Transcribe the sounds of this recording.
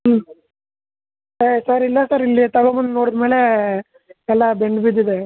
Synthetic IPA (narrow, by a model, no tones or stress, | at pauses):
esaɾilːɐsaɾilːit̪ɐɡomɐnd̪noːɽɐd̪meːle | ɛlːabeɳɖbid̪id̪e